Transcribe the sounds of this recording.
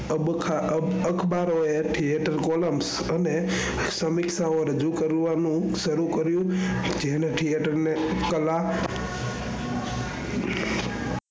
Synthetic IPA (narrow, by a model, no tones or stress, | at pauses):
əbkʰaəkʰbaɾoeʈʰijeʈəɾkoləms | əne | səmɪksaoɾəd͡ʒukəɾʋanũʃəɾukəɾjũd͡ʒeneʈʰijeʈəɾnekəla